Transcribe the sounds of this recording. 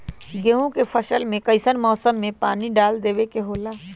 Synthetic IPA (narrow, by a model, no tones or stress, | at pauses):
ɡeːɦõkepʰɐʃəlmẽkɐɪsənmɔːsəmːẽpaːniɖaːld̪eːʋekeɦoːlaː